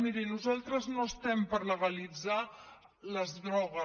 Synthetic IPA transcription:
miɾinuzalˠt̪ɾəznoəst̪ɛmpəɾləɣəlid͡za | ləzðɾɔɣ̞ə

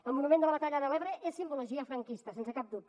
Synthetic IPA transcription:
əlˠmunumend̪ələβət̪aʎəðəlɛβɾəʔesːimbuluʒiəfɾəŋkist̪əsensəkap̚d̪ut̪

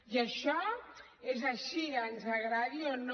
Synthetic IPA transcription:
jəʃɔ | ezaʃianzɐɣɾaðion

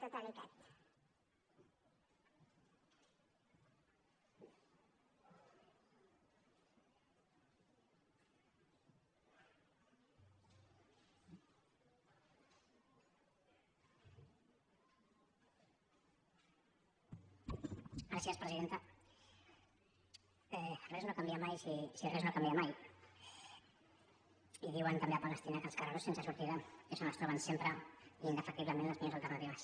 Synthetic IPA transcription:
t̪akanot̪a | ɡɾasiaspɾəziðent̪ə | ɛrɛznokambiamajsisirɛznokambiamaj | iðiwənt̪ambeapaləst̪inakəlˠskaraɾosensəsuɾt̪iðaesanast̪ɾɔβənsempɾəinəfək̚t̪iβləmẽnləzmiozalˠt̪əɾnat̪iβɐs

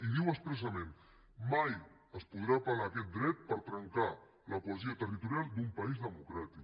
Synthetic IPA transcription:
iðiwəspɾəs̬əmẽn | maj | əspuð̞ɾapalaːkɛt̪̚d̪ɾɛt̪̚pəɾt̪ɾəŋka | ləpuəziət̪ərit̪uɾjalˠd̪umpɐizðəmukɾat̪ik

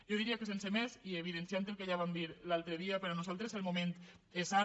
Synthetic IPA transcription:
ʒoðiɾiakesensemesieβ̞iðensjant̪elkeʎaβamd̪iɾlalˠt̪ɾəðiapeɾanuzalˠt̪ɾeselmument̪ | esa

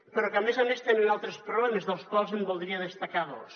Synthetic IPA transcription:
pəɾɔkamezamest̪enenalˠt̪ɾespɾoβlɛmezðəlˠskwalˠzembolˠd̪ɾiaðəst̪akaðo̰s

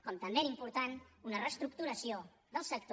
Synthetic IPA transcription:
kɔmt̪əmbeɛɾimpuɾt̪anunərəst̪ɾuk̚t̪uɾəsio | ðəlˠsək̚t̪

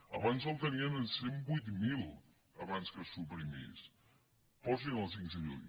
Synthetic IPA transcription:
ə̰βanzəlˠt̪əniənsembujt̪milˠ | əβanskəsupɾimḭs | pɔz̬inəlˠsiŋɡzəʒṵɲ

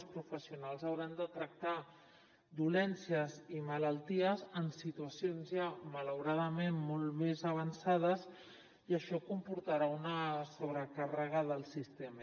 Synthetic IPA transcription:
spɾufəsiunalˠzəwɾand̪ət̪ɾək̚t̪a | d̪ulɛnsiəzimələlˠt̪iəzənsit̪uəsionzjamələwɾaðəmenmolˠmezəβ̞ənsað̞əz | iəʃɔkumpuɾt̪əɾaunəsoβ̞ɾəkarəɣaðəlˠsist̪em

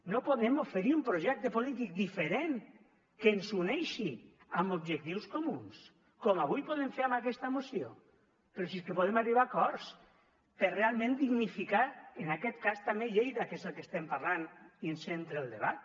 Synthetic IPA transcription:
nopoðɛmofeɾiumpɾoʒɛk̚t̪epolit̪ik̚d̪ifeɾen | kensunɛjʃi | ambobʒek̚t̪iwskomuns | kɔmaβ̞ujpoðeɱfeɾamakɛst̪amosio̰ | peɾosiskepoðemariβakɔɾs | perealˠmẽnd̪iɣnifikaenakɛt̪kast̪ameʎejðakezəlˠkest̪ɛmpaɾlaniensent̪ɾelˠd̪eβat̪

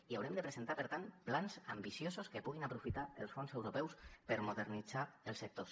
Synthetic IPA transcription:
iawɾɛmd̪əpɾəzent̪apəɾt̪anplanzambisjozoskəpuɣ̞inapɾufit̪aəlˠsfonzewɾopɛwspəɾmuðərnid͡zaəlˠsək̚t̪os

